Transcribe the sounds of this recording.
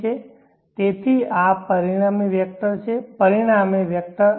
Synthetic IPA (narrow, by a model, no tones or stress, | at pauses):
e | t̪et̪ʰiapəɾiɽ̃ameʋjək̚t̪ət͡ʃʰepəɾiɽ̃ameʋjək̚t̪ə